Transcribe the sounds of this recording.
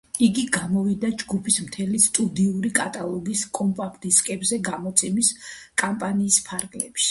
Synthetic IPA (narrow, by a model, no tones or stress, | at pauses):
iɡiɡamɔvid̪ad͡ʒɡupʰismt̪ʰɛlist̪ʼud̪iuɾikʼat̪ʼalˠɔɡiskʼɔmpʼakʰt̪ʼiskʼɛbzɛɡamɔt̪sʰɛmiskʼampʼaniːspʰaɾɡlɛpʃ